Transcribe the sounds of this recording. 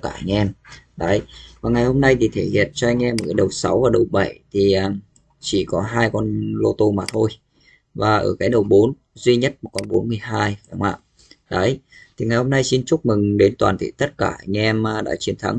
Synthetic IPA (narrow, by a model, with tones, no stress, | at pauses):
kaː˧˩ʔŋ̟ʔɛ˧mɗə˨˦jvaː˨˩ŋa˨˩jho˧mna˧jt̪ʰi˨˩t̪ʰe˧˩hḭ˨ənt͡ɕɔ˧ʔa˧jŋ̟ʔɛ˧mə˨˩kaː˨˦ɗə˨˩wsa˨˦wvaː˨˩ɗə˨˩wɓa˧˩jt̪ʰi˨˩ʔəː˨˩ | t͡ɕi˧˩kɔ˨˦ɦaː˧jkɔ˧nlo˧t̪o˧maː˨˩t̪ʰo˧j | vaː˨˩ʔəː˧˩kaː˨˦jɗə˨˩wɓo˨˦n | zwi˧ɲə˦˥t̚mo˨˩t̚kɔ˧nɓo˨˦nmɨ˨˩əjɦaː˧jɗa˨˧˦ŋ͡mʔa̰ː˧˨ | ɗə˨˦jt̪ʰi˨˩ŋa˨˩jho˧mna˧jsi˧nt͡ɕʊ˦˥k͡p̚mɨ˨˩ŋɗe˨˦nt̪waː˨˩nt̪ʰḭ˧˨t̪ə˦˥t̚kaː˧˩ʔŋ̟ʔɛ˧mː˨˩ɗa̰ː˧˥t͡ɕi˨˦ənt̪ʰa̰˨˦ŋ